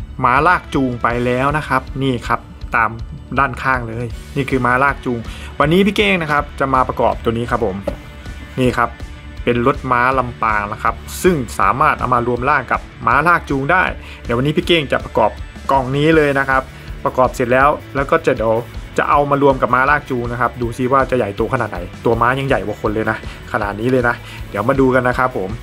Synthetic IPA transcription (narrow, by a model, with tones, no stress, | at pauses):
maː˦˥laː˥˩k̚t͡ɕuː˧ŋpa˧jlɛː˦˥wna˦˥kʰa˦˥p̚niː˥˩kʰa˦˥p̚t̪aː˨˧mdaː˥˩nkʰaː˥˩ŋlɤː˧jniː˥˩kʰɯː˧maː˦˥laː˥˩k̚t͡ɕuː˧ŋwa˧nːiː˦˥pʰiː˥˩keː˥˩ŋna˦˥kʰa˦˥p̚t͡ɕa˨˩maː˧pɾa˧kɔ̰ː˨˩p̚t̪u˧əniː˦˥kʰa˦˥pʰːo˩˦m | niː˥˩kʰa˦˥p̚ː | e˧nlo˧˦˥t̪̚maː˦˥la˧mpaː˧ŋna˦˥kʰa˦˥p̚sɯ˥˩ŋsa̰ː˩˦maː˥˩t̪̚ʔa̰˧wmaː˧ɾu˧əmlaː˥˩ŋka˨˩p̚maː˦˥laː˥˩k̚t͡ɕuː˧ŋdaː˥˩j | na˧˩jwa˧nːiː˦˥pʰiː˥˩keː˥˩ŋt͡ɕa̰˨˩pa˧kɔ̰ː˨˩p̚ | kɔ˨˩ŋniː˦˥lɤː˧jna˦˥kʰa˦˥p̚ | pːɾa˧kɔː˨˩p̚se˨˩t̪̚lɛː˦˥wlɛː˦˥wkɔː˥˩t͡ɕa˨˩di˨˩˦wt͡ɕa̰˨˩ʔa˧wmaː˧ɾu˧əmka˨˩p̚maː˦˥laː˥˩k̚t͡ɕuː˧ŋna˦˥kʰa˦˥p̚duː˧si˧˦˥waː˥˩t͡ɕa˨˩ʔja˨˩jt̪u˧kʰa˧naː˨˩t̪̚na̰˨˩˦jt̪u˧ɐmaː˦˥ɲa˧ŋja˨˩jbɔ˨˩˦kʰo˧nlɤː˧jna˦˥ʔkʰa˧naː˨˩t̪̚niː˦˥lɤː˧jna˦˥ʔ | di˨˦wmaː˧duː˧ka˧nːa˦˥kʰa˦˥pʰːo˩˦m